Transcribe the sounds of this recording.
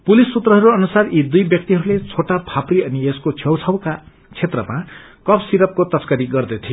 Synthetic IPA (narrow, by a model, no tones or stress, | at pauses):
pulisːut̪rʌɦʌɾuʌnusarid̪ujbjʌk̚t̪iɦʌɾulet͡sʰoʈapʰapriʌnieskot͡sʰjʌwt͡sʰʌwka | t͡sʰet̪rʌma | kʌpʰsiɾʌp̚kot̪ʌskaɾiɡʌrd̪ʌt̪ʰijo